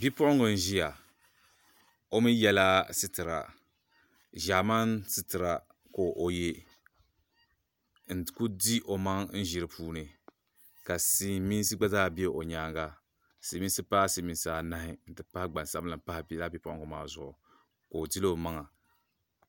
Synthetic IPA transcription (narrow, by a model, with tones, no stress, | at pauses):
bi˦pʊ˦ʔʊ˦ŋɡʊ˨n̩˦ʒi˦ja˨ | o˦mi˦jɛ˦la˦sɨ˦tɨ˨ɾa̰˨ | ʒa˨ma˦nsɨ˦tɨ˨ɾa˨ | ko˨ʔo˨je˦ | n̩˨ku˦di˦ʔo˨ma˦ŋn̩˦ʒi˨ɾɨ˨pʰuː˦nɨ˨ | ka˨si˦mi˦n˦s̬ɨ˦ɡ͡ba˦zaː˦bi˦e˦ʔo˨ɲaː˦ŋɡa˦ | si˨mi˦sɨ˦paː˦si˨mi˨nsaː˨na˦hɪ˦n̩˨tɨ˨pa˦hɪ˦ɡ͡ba˨sa˦blɨ˨pa˦hɪ˦ba˦bi˦pʊ˦ʔʊ̰˦ŋɡʊ˨maː˨zʊ˨ʔʊ˨ | ko˨di˦lo˦˨ma˦ŋa˨